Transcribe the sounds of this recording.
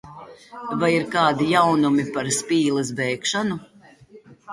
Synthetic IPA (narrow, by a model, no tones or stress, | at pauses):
vajiɾkaːd̪ijawnumipaɾspiːlˠɛs̬bɛjkʃanu